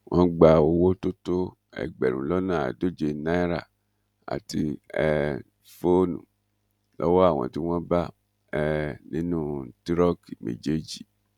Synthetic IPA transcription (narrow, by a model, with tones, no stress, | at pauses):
w̃ʔɔ̃˦ɡ͡ba˨wo˦wo˦to˦to˦ | ɛ̰˨ɡ͡bɛ˨ɾũ˨lɔ˦nã˦˨a̰˨do˦d͡ʒe˨nã˦i˦ɾa̰˨ | a̰˨ti˧ɛ˨ | fo˦nṵ̃˨ | lʔɔ̰˦wɔ˦a˦˨w̃ɔ̰̃˨ti˦w̃ɔ̃˦ba˦ | ɛ˨nĩ˦nũ˦ti˦ɾɔ˦ki˨mḛ˨d͡ʒe˦d͡ʒi˨